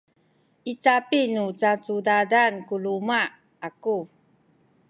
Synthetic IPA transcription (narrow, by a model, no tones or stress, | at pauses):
it͡sapinut͡sat͡sudadankuluma | aku